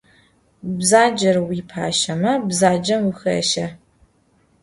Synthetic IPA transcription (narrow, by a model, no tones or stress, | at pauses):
bzaːd͡ʒɐrwiːpʰa̰ːʃɐmɐbzaːd͡ʒɐmwixɐ̰ʃɐ